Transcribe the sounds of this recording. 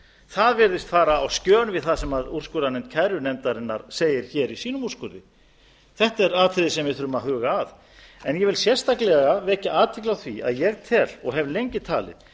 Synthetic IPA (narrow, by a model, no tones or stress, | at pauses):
θaðvɪɾðɪst̪faːɾaːwscœːnvɪðθaðsɛmaður̥skʏɾanɛnt̪cʰajɾʏnɛmt̪aɾɪnːa̰ɾ̥seːjɪɾ̥çɛːɾisiːnʏmur̥skʏɾðɪ | θɛht̪ɛɾaːt̪ʰɾɪðɪsɛmvɪðθʏɾʏmaɦʏːɣaːð | ɛnjɛvɪlsjɛr̥st̪aklɛɣavɛhcɪaːt̪ʰɪklawθviʔa̰ðjɛɣt̪ʰɛːlɔɣɦɛvlejɲcɪt̪ʰaːlɪ̰ð